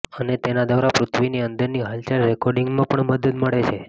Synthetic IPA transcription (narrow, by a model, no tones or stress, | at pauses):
ənet̪enad̪aɾapɾʊt̪ʰʋiniənd̪əɾniɦalt͡ʃaɾːɛkɔɾɖiŋɡmãpəɳməd̪əd̪məɭet͡ʃʰe